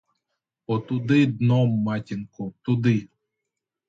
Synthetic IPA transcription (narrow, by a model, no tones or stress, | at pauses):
ot̪ud̪ɨd̪nomːatʲiŋkot̪ud̪ɨ